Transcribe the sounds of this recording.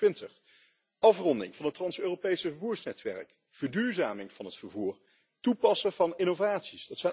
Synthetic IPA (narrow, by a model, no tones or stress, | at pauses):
ʋɪntəχ | ʔɑfrɔndɪ̰ŋvɑnɦətːrɑnsøːropejsəvəɹvuːɹsnɛtʋɛ̰rək | v̥əɹdyːɹzaːmɪŋv̥ɑnɦətfəɹvuːɹ | tupɑsəvɑnɪnovaːtsisd̥ɑtsɛj